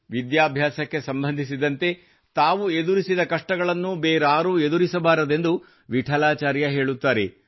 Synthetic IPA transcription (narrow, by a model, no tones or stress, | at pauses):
ʋid̪jaːbʱjaːsɐkːe̞sɐmbɐnd̪ʱisid̪ɐnt̪e̞ | t̪aːʋued̪uɾisid̪ɐkɐʂʈɐɡɐɭɐnːubeːɾaːɾued̪uɾisɐbaːɾɐd̪e̞nd̪u | ʋiʈʰɐlaːt͡ʃaːɾjɐɦe̞ːɭut̪ːaːɾḛ